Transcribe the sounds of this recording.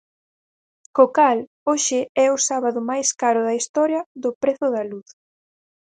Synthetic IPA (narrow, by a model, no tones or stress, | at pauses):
kokal | oʃɪɛʊsaβaðʊmajskaɾʊðɐist̪ɔɾjɐðʊpɾeθʊðɐluθ